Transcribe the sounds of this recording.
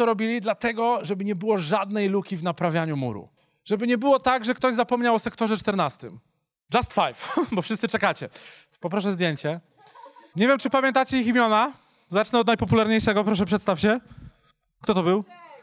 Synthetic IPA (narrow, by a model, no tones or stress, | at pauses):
ɔɾɔbʲilʲid̪lat̪ɛɡɔʐɛbɘɲɛbɘwɔʐad̪nɛjlukʲivnapɾavʲjaɲumṵɾṵ | ʐɛbɘɲɛbɘwɔt̪aɡʐɛkt̪ɔʑzapɔmɲawɔsɛkt̪ɔʐɛt͡ʂt̪ɛɾnast̪ɘ̰m | d͡ʐast̪fajfbɔfʂɨst̪sɘt͡ʂɛkat͡ɕɛ | pɔpɾɔʂɛzd̪ʲjeɲt͡ɕɛ | ɲevʲjɛmt͡ʂɘpamʲjɛnt̪at͡ɕɛiximʲjɔna | zat͡ʂnɛɔd̪najpɔpulaɾɲejʂɛɡɔpɾɔʂɛpʂɛt̪st̪afɕɛ | kt̪ɔt̪ɔbɘw